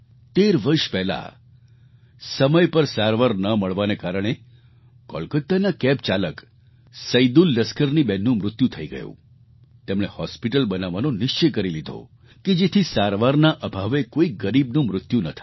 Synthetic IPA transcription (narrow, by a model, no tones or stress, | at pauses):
t̪eɾʋəɾʃpɛɦla̰ | səməjpəɾsaɾʋaɾnəməɭʋanekaɾəɽ̃e | kɔ̰lkət̪ːanakɛp̚t͡ʃalək | səid̪ulːəskəɾnibɛnːũmɾʊt̪jut̪ʰəiɡə̰jṵ̃ | t̪emɽ̃ehɔspiʈəlbənaʋːanonɪʃt͡ʃəkəɾilid̪ʱo̰ | ked͡ʒet̪ʰisaɾʋaɾnaʔəbʱaʋekoiɡəɾibnũmɾʊt̪junət̪ʰa